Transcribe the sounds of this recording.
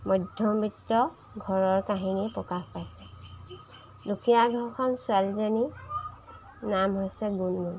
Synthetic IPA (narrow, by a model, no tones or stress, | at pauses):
mɔdʱjɔmbitːɔ | ɡʱɔɹɔɹkaɦinipɹɔkaxpajsɛ | dukʰijaɡʱɔɹkʰɔnsʊalzani | namɦojsɛɡunun